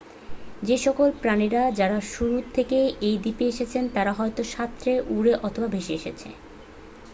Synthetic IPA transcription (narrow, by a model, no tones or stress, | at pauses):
d͡ʑeʃɔkolpɾaniɾad͡ʑaɾaʃuɾut̪ʰːekeejd̪ipeeʃet͡ɕʰent̪aɾaɦɔet̪oʃat̪ːɾeʔuɾeʔɔt̪ʰobabʱeʃeeʃet͡ɕʰḛ